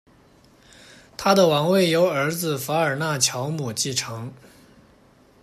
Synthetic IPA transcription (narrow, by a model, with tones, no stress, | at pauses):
t̪ʰa˥d̪ə˨wɑ˧˥ŋwe˥˩ɪjo˧˥ʊə˞˧˥d͡zɹ̩˧fa˧˥ə˞˨˩na˥˩t͡ɕʰjɑ˧˥ʊmu˨˩t͡ɕi˥˩ʈ͡ʂʰɤ˧˥ŋ